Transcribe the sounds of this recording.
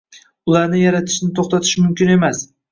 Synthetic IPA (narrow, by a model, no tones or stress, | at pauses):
ʊlaɾnɪjaɾat̪ʰɪ̥ʃnɪt̪ʰoχt̪at̪ʰɪ̥ʃmʊmkʲɪne̞mas